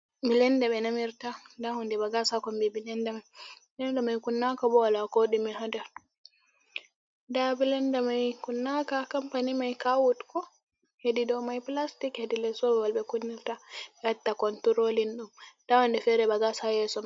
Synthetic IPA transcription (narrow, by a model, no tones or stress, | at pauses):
bilɛndɛɓɛnamiɾtadahɔndɛbaɡasakɔmbibilɛndɛmajbilɛndamajkunːakabɔwalakoɗimiɦada | dabilɛndamajkunːakakampanimajkawutkɔ | hedidɔwmajplastikhedilɛsɔbɛwalbɛkunːiɾtaɓɛhatːakɔntuɾolinɗumd̥awɔndɛfɛɾɛbaɡasajɛsɔm